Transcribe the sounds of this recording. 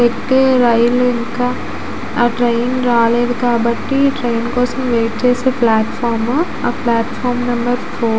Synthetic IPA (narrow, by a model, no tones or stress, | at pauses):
eːeɾɐjliŋkaː | ʈɾejnɾaːleːd̪ukaːbɐʈːiʈɾejnkɔːsɐmʋeːʈ̚t͡ʃeːseːplaːʈfaːɾm | aːplaːʈfʰaːɾmnɐmbɐɾfʰoː